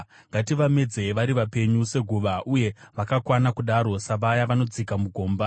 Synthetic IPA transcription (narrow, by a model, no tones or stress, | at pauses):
ŋɡatiʋame̞d͡zeʋaɾiʋape̞ɲuse̞ɡʱuʋaʔuje̞ʋakakwanakuɗaɾo̞saʋajaʋano̞d͡zikamuɡʱo̞ːmba